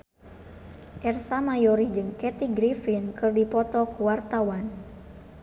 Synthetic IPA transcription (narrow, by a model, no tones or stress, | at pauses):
ʔɛrsamajɔɾid͡ʒɨŋkɛt̪iɡɾifinkɨrdipɔt̪ɔkuwart̪awan